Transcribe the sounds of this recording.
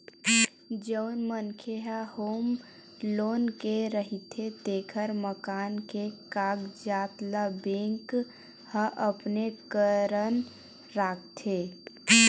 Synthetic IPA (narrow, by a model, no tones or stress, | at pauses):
d͡ʒəʊnmənkʰeɦahoːm | loːnkeɾəɦit̪ʰet̪eːkʰəɾməkaːnkekaːɡd͡ʒaːt̪labẽŋk | həʔəpnekəɾən | ɾaːk̚ʰt̪ʰe